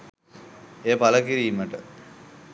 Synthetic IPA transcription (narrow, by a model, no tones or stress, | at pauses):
eːpaləkiɾiːməʈə